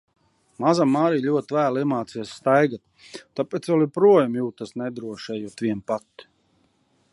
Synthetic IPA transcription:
mazamːaːɾiːlʲuɔt̪væːliɛmaːt̪siɛsst̪ajɡat̪̚ː | apeːt̪svɛlˠipɾuɔjamjuːt̪asnɛd̪ɾuɔʃɛjut̪vʲiɛmpat̪ː

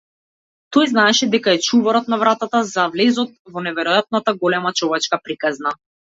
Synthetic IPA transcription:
t̪ɔjznaɛʃɛd̪ɛkaɛt͡ʃuvɔɾɔt̪̚navɾat̪at̪azavlɛzɔt̪̚vɔnɛvɛɾɔjat̪̚nat̪aɡɔlɛmat͡ʃɔvɛt͡ʃkapɾikazna

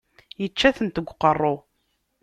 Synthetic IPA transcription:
jət͡ʃːæθənt̪əɡʷqərˤːo

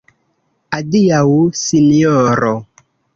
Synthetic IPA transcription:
adiawsinioɾo

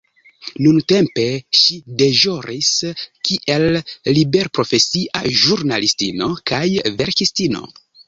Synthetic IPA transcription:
nunte̞mpe̞ʃide̞ʒoɾiskiʔe̞lːibe̞ɾpɾo̞fe̞siʔa̰ʒuɾnalistino̞kajve̞ɾkistino̞̰

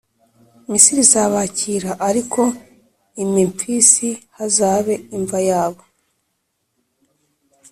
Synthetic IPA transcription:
misiɾizaβaciɾaʔaɾikʰo̞ | imiɱfisihazaːβe̞iɱvajaːβo

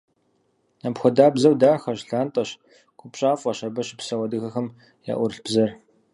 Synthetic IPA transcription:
apxʷɔdaːbzɐwdaːrxɐʑɬaːntʼɐɕ | kʷʰʼʊpɕʼaːfʼɐɕɐbɐɕɪpsɐwɐdɨxɐxɐm | ja̰ːʔʷʊrɬb̥zɐr

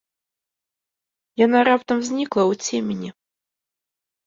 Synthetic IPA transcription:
jan̪aɾapt̪ɐmzʲnʲiklˠɐwt͡sʲemʲenʲi

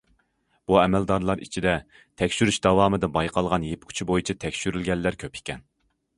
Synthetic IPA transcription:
b̥uɛmɛld̪ɑɾlˠɑɾḭt͡ʃʰid̪ɛ | t̪ʰɛkʲʃyɾyʃd̪ɑwɑːmɨd̪ɨbɑjqʰɑlˠʁɑnjepkʲʰu̥t͡ʃʰibojit͡ʃʰɛt̪ʰɛkʲʃyɾylɡʲɛlːæɾkʲʰøpʰi̥kʲɛn

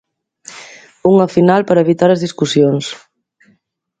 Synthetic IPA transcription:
uŋəfinalˠpəɾeβit̪aɾəzðiskusjons

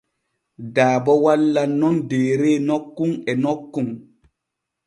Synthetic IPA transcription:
daːbɔwalːanːɔndeːɾeːnɔkːuŋɛnɔkːuŋ

